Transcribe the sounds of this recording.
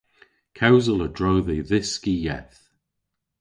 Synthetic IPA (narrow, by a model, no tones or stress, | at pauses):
kʰawzələdɹowðiðɪskijɛ̰θ